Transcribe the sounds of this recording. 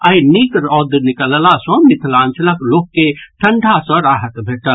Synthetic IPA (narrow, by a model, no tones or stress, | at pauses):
ajnikɾɔd̪nikəllasə̃mit̪ʰlãːnt͡ʃləkloːkːeʈʰəɳɖʱasə̃ɾaːɦət̪bʱeːʈəl